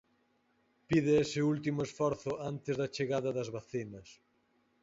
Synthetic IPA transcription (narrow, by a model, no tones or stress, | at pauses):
piðɪesɪult̪imʊesfɔɾθʊant̪ɪzðɐt͡ʃeɣaðɐðɐzβaθinɐs